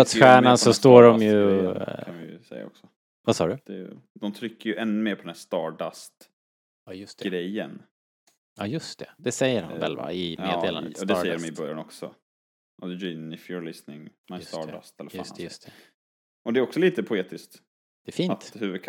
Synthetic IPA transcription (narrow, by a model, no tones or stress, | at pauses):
at̪sɧæːɳansɔst̪oːɖɔmjɵaaj̰sɛ̰jːa̰ɔ̰ksɔ | vasɑ̰ːɖɵd̪̥ɛj | d̪ɔmt̪ʰɾʏkːəɾjɵʔɛnːɵmeːɾpʰɔd̪ɛnæʂt̪ɑːɖast̪ | ɑjɵst̪ɛɡɾɛjːə̰n | ɑjɵst̪ʰɛd̪ɛsɛjːəɾha̰nvɛ̰lva̰ɪmeːd̪eːland̪ɛsɛjːəɾɔmɪbœɾja̰nɔksɔ̰ | ʔd̪d͡ʒinɪfjuɾlɪsnɪŋsst̪ɑːa̰st̪ɛlːəsst̪ʰɛ | ʔɔd̪ɛæɾɔksɔliːt̪əpʰʊeːt̪ɪskt̪ | d̪̥ɛːfiːnt̪hʉ̟ːvəd̪̚kʰ